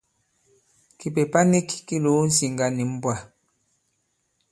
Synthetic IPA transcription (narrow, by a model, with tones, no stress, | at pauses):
ki˨pe˨pa˦ni˦ki˨ki˦lo˨˦n̩˦si˨ŋɡa˦ni˨m̩˦bwa˦˨